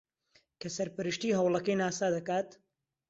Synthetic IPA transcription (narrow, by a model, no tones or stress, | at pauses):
kɐsɐɾpɨɾɨʃt̪iːɦɐwlˠɐkɐjnaːsaːd̪ɐkaːt̪